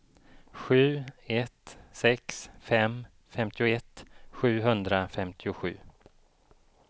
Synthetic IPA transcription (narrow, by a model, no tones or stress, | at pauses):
ɧʉ̟ːɛt̪sɛksfɛm | fɛmt̪ʰɪʊɛt̪ːɧʉ̟ːɦɵnd̪ɾafɛmt̪ʰɪʊɧʉ̟ː